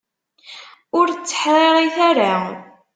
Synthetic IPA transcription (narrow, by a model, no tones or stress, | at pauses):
ʊɾt͡sːə̥ħðˤeɾˤiθaɾa